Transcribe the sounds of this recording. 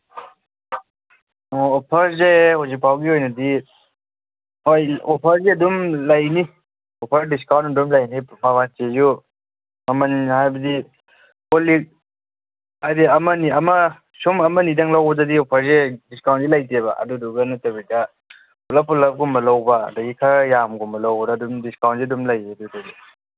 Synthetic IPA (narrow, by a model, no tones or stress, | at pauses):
ɔɔpʰɐɾzehɔzik̚pʰawɡiojnɐdi | ojɔpʰɐɾzeɐdumlajni | ɔpʰɐɾdiskawntɐdumlajnipmaβant͡ʃezu | mamanhajbɐdi | kolik̚ | aɾiɐmɐniɐmɐ | sumɐmɐnidɐŋlawbɐzɐdiɔpʰɐɾzediskawnzilajteβɐʔɐ̰duduɡɐnatɐbidɐ | pʰulɐpʰulɐp̚ɡumbɐlawba̰ːdaɡikʰaɾjamɡumbɐlawbɐdaːdumdiskawnziɐdumlajedudadi